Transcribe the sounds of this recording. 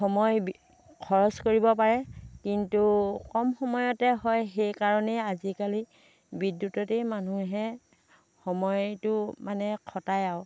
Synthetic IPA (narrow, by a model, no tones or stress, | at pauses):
xɔmɔj | kʰɔɹɔskoɹibɔpaɹɛkintukɔmxɔmɔjɔtɛɦɔjxejkaɹɔnɛazikali | bidːutɔtemanuɦɛ | xɔmɔjtʊmanɛkʰɔtajaʊ